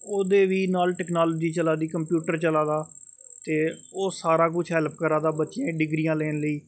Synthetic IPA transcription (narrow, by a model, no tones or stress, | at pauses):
oːd̪eːʋiːnaːlʈɛːknaːloːd͡ʒiːt͡ʃəlaːd̪iːkəmpjuːʈəɾt͡ʃəlaːd̪aː | t̪eː | oːsaːɾaːk̬ʊt͡ʃʰɦɛːlp̚kəɾaːd̪aːbətːt͡ʃẽːɖɪɡɾiːjãːleːnləiː